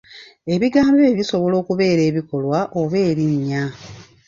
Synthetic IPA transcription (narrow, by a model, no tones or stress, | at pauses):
e̞βiɡaːmbe̞ːβiso̞βo̞lo̞ːkuβe̞ːɾe̞ːβiko̞lwaʔoβe̞ːɾiɲːa